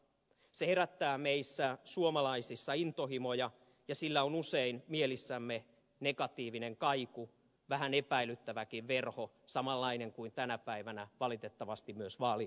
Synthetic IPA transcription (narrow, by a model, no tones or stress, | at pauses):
seheɾæt̪ːæːmeisːæsuomɑlɑisisːɑint̪ohimojɑ | jɑsilːæonuseinmielisːæmːe | neɡɑt̪iːʋineŋkɑiku | ʋæɦænepæilˑyt̪ːæʋækiʋʋerho̞ | sɑmɑlːɑine̞ŋkuint̪ænæpæiʋænæʋɑlit̪et̪ːɑʋɑst̪immyøsʋɑːli